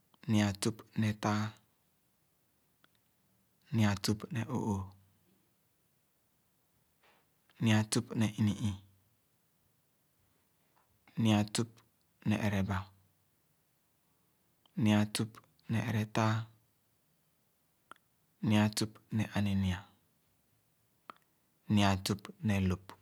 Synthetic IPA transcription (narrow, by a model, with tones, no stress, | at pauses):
nĩ˨a˨tu˦pnɛ˨ta˦ | nĩ˨a˨tu˦pnɛ˨ʔo̰˨ʔo˨ | nĩ˨a˨tu˦pnɛ˨ʔi˦ni˨ʔi˨ | ni˨a˨tu˦p̚ | nɛ̰˨ʔɛ˨ɾɛ˨ba˨˦ | nĩ˨a˨tu˦p | nɛ˨ɛ˨ɾɛ˨ta˦ | ni˨a˨tu˦pnɛ˨ʔa˨ni˨ni˨a˨˦ | nĩ˨a˨tu˦pnɛ˨lo˨p